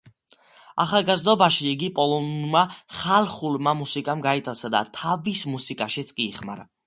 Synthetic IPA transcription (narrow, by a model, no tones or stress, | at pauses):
a̰χalˠɡazd̪ɔbaʃiiɡipʼɔlˠɔnmaχalˠχulmamusikʼamɡait̪ʼʰasad̪a̰t̪ʰavismusikʼaʃit̪sʼkʼiːχma̰ɾa